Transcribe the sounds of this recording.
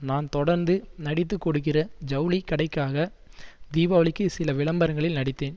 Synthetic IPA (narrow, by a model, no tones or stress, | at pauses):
naːnt̪ɔɽɐɾnd̪ɯnɐɽɪt̪̬ːɯkːɔɽɯkːɪrɐd͡ʒɐʊlɪkːɐɽɐɪkːaːɣɐd̪iːbaːʋɐɭɪkːɯsɪlɐʋɪɭɐmbɐɾɐŋɡɐɭɪlnɐɽɪt̪ːeːn